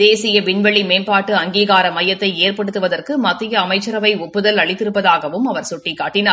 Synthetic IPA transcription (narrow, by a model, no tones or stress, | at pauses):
eːsɪjɐʋɪɳʋɐɭimeːnpaːʈːɯɐŋɡiːɣaːɾɐmɐjɐt̪ːɐɪeːrpɐɽɯt̪ːɯʋɐðɐrkɯmɐt̪ːɪjɐːmɐɪt͡ʃːɐɾɐʋɐɪʊpːɯðɐlɐɭɪt̪ːɪɾɯpːɐðaːɣɐʋɯmɐʋɐɾsʊʈːɪkːaːʈːɪnaː